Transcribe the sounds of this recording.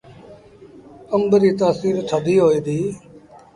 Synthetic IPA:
əmbɾiːt̪aːsiːɾt̪ʰəd̪iːɦoːiːd̪iː

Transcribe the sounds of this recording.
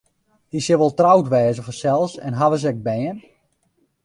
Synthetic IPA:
disɪʋɔlˠtrawtʋɛːzəfɔrsɛlˠsɛ̰nɦaʋəs̬ɛk̚bɛːən

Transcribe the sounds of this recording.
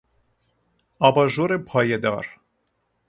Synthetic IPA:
ɑːbɑʒoːɾepʰɑːjɛd̪ɑ̰ːɾ

